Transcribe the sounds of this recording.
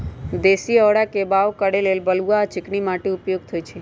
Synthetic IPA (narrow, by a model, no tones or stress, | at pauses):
d̪esiɔɽakebaʋkəɽelelbəluat͡ʃɪknimaʈeupjoɡ̚t̪ʰoit͡ʃʰe